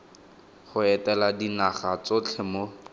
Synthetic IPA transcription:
χʊɛtɛladinaχat͡sot͡ɬʰɛmo

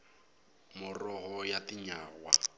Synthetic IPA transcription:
mʊrɔɣɔjatiɲaːɣwa̰

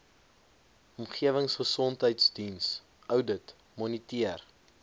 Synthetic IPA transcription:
ɔmχiəvəŋsχəsɔntɦəjtsdins | œwdət | mɔnitiər

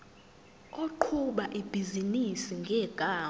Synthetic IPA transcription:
oǃʰuɓaʔib̥ʱizinisiŋɡʱɛːɡ̥ʱaː

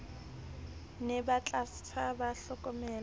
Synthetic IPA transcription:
nɪbat͡ɬʼastʰabaɬɔkʼɔmɛːl

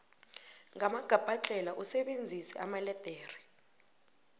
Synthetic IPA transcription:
ŋamaɡ̥ʱab̥ʱat͡ɬʼɛlaʔusɛɓend͡zʱisɛamalɛd̥ʱeːri

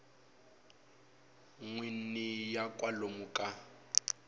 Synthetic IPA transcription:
ŋwin̩nijakʼwalomukʼa

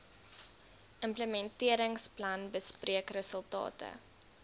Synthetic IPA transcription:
ʔəmpləmɛntiəɾəŋsplɐnbəspriəkrəsəlˠtɑ̰ːtə̰

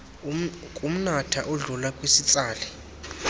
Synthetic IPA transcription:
kʼum̩natʰaʔɔɮulakʼwisit͡sʼaːlɛ

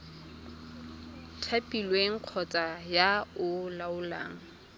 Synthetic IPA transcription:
tʰapʼilweŋ̩q͡χʰɔt͡sʼajaʊlaʊla̰ːŋ̩

